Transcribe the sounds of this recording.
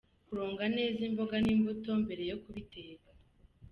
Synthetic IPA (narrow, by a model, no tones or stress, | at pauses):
kuɾo̞ːŋɡane̞ːzimbo̞ɡaniːmbuto̞mbe̞ɾe̞jo̞kuβiteːɡa